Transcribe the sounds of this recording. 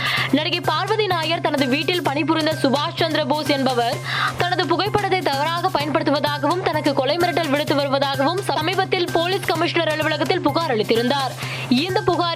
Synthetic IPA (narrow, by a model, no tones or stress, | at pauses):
nɐɽɐɣɐɪpaːɾʋɐðɪnaːjɐɾt̪ɐnɐðɯʋiːʈːɪlpɐɳɪp̬ʊɾɪnd̪ɐsʊbaːst͡ʃɐnd̪ɾɐboːsɛnbɐʋɐɾt̪ɐnɐðɯpʊɣɐɪpːɐɽɐðːɐɪt̪ːɐʋɐɾaːɣɐpɐjɐnpɐɽɯt̪ːɯʋɐðaːɣɐʋɯmt̪ɐnɐkːɯkɔɭɐɪmɐnɪʈːɐlʋɪɽɯt̪ːɯʋɐɾɯʋɐðaːɣɐʋɯmsɐmiːbɐt̪ːɪlpoːliskɐmɪʂnɐɾɐɭɯʋɯɭɐɣɐt̪ːɪlpʊɣaːɾɐɭɪt̪ːɪɾɯnd̪aːɾ | ɪnd̪ɐpʊɣaː